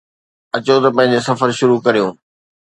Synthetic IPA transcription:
ɐt͡ɕot̪ɐpɐ̃ɦɪ̃ɲ̆d͡ʑesɐfəɾʃʊɾukɐɾijõː

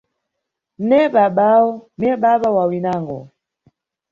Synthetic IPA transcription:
nɛɓaɓaɔɛɓaɓawawinaŋɡɔ̰

